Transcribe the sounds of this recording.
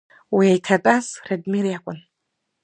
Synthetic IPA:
wiajtʰɐtʼasredmiɾjakʷʼʊn

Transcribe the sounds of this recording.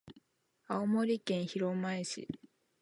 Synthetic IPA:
aomo̞ɾʲikẽ̞ɰ̃çiɾo̞maiɕḭ

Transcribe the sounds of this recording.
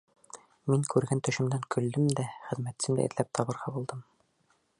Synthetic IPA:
miŋkʉɾɡænt̪ɵ̆ʃɘ̆md̪æŋkʰɵ̆ld̪ɘmd̪æχɘ̆ðmæt̪sɘmd̪æ̰ḭɾt̪læp̚t̪ʰɒbɤ̆ɾʁɑbulˠd̪ɤm

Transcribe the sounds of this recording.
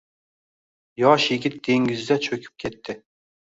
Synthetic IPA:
jɑʃjeɡʲit̪̚d̪̥eŋɡʲizd̪ɛt͡ʃʰøkʲʰy̥p̚kʲʰɛt̪ʰːɪ

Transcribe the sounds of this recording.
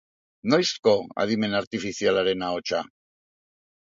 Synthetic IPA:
nojsko̞a̰ðime̞naɾt̪ifiθialaɾe̞naot͡ʃa

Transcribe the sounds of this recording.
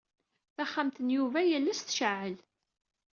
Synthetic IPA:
θæχːamt̪ənjuvæjælːæsθʃəʕʕəl

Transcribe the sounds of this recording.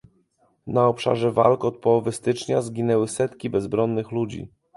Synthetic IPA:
naɔpʂa̰ʐɛva̰lkɔt̪̚pɔwɔvɘst̪ɘt͡ʂɲazɡʲinɛwɘsɛt̪kʲibɛzbɾɔnːɘxlud͡ʑḭ

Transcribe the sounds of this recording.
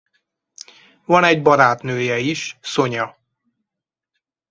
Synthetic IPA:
vɒnɛɟbɒɾaːt̪nøːjɛiʃso̞ɲɒ

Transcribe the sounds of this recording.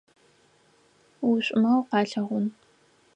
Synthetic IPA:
wuɕʷʼʊmɐwqɑːɬɐʁʷʊn

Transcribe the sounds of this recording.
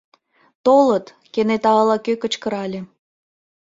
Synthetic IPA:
t̪olət̪ | kenet̪ɑlɑkøkə̆t͡ɕkə̆ɾɑlʲe

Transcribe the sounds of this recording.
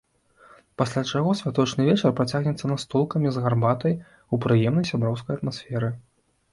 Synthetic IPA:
pasʲlʲat͡ʂaɣɔsʲvʲat̪ɔt͡ʂnɨvʲɛt͡ʂɐrpɾat͡sʲaɣnʲɛt̪sːɐnast̪ɔlˠkɐmʲizɣarbat̪ɐj | upɾɨjɛmnɐjsʲabɾɔwskɐjɐt̪masʲfʲɛɾɨ

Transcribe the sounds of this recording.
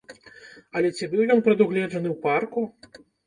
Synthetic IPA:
ɐlʲɛt͡sʲibɨwjɔnpɾɐd̪uɣlʲɛʐɐnɨwparku

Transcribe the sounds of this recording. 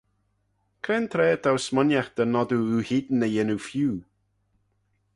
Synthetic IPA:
kʰɾɛnt̪ʰɾɛːd̪ʰawsmɔnjaxd̪̥ənɔd̪uuhɪd̪n̩əjɛnufjuː

